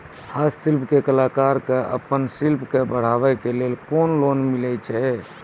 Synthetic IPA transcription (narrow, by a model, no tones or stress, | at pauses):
hasilpkekəlakaɾkeʔə̰pənsilpkebəɽ̤aʋɛkelelkonlonmilɛt͡ʃʰɛ